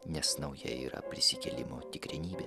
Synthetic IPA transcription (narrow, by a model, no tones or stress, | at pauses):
nʲɛsnɒʊjɛḭːɾɐ̰pʲɾʲɪsʲɪkʲɛlʲɪmoːt̪ʲɪkɾʲɪnʲiːbʲeː